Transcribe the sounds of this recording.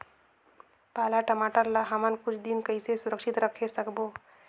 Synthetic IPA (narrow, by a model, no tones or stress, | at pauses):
palaʈəmaʈəɾlaɦamənkut͡ʃʰd̪inkəjsesuɾəkʃit̪ɾəkʰesəkbo